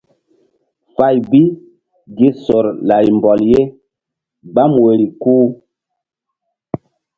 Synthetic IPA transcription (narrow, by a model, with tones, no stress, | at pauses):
fa˦˨jbi˦ | ɡi˦so˨ɾla˨jmbɔ˨lje˦ | ba˦mwe˨ɾi˨kuː˦